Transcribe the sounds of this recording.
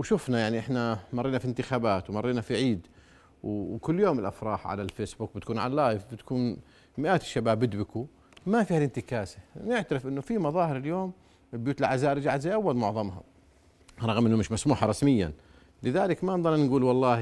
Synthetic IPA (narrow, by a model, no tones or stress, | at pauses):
wʃʊfnajaʕniʔɪħnamɑrˤːiːnafint̪ɪxaːbaːt̪wmɑrˤːiːnafiʕiːd̪ | wkʊlːjoːmɪlʔa̰fɾˤɑːħʕa̰lalfeːsbuːk̚bɪt̪kuːnʕa̰llːaːjɪfbɪt̪kuːn | mɪʔaːt̪ʃːabaːbːɪd̪bɪku | mafiːhalɪnt̪ɪkaːsanɪʕt̪aɾɪfʔɪnːʊfimɑðˤɑːhɪɾɪljoːm | ɪbjuːt̪ɪlʕazaːʔɾd͡ʒaːʕad̪zajʔawːalmʊʕðˤɑmɦa̰ | ɾˤɑɣmʔɪnːʊmɪʃmasmuːħɑɾˤɑsmɪjːa̰n | lɪðaːlɪkmanðˤɑɾˤnɡuːlwɑlˤːɑːh